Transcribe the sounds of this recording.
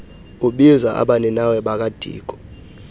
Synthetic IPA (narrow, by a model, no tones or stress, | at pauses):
uɓizaʔa̰ɓanɛnawɛɓak̬ʼad̥ʱḭːk̬ʼɔ̥